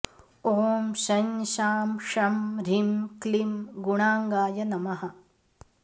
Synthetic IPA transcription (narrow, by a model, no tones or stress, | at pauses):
oːmʃɐnʃaːmʃɐmɾimklimɡuɳaːŋɡaːjɐnɐmɐɦɐ